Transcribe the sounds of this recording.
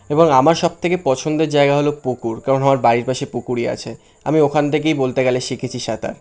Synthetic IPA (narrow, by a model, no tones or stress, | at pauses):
eboŋamaɾʃɔb̚t̪ʰekepɔt͡ɕʰond̪eɾd͡ʑaeɡaɦolopokuɾkaɾonamaɾbaɾiɾpaʃepukuɾia̰t͡ɕʰe | amiokʰant̪ʰek̬ejbolt̪eɡɛleʃikʰet͡ɕʰiʃat̪a̰ɾ